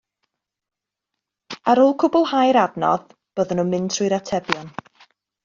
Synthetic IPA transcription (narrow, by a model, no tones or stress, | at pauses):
aɾuːlˠkʰʊbʊlˠhajɾadnɔ̰ð | b̥oːðənuːnmɪntʰrujɾatʰɛbjɔn